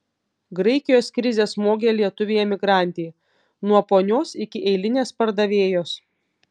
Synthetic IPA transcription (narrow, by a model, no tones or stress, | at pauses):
ɡɾɐɪkʲɪjoːskɾʲɪzʲeːsmoːɡʲelʲiɛt̪ʊʋʲeːjɛmʲɪɡɾɑˑnʲt̪ʲeː | nuɔpoːnʲoːsɪkʲɪʔɛɪlʲɪnʲeːspɐɾd̪ɐʋʲeːjoːs